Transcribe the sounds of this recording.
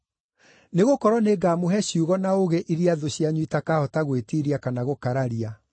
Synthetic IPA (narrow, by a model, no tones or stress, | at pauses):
neɣokɔɾwɔneɡaːmoɦɛɕjuɣɔnaoɣeʔiɾiaðoɕjaɲwitakahɔtaɣwetiɾiakanaɣokaɾaɾia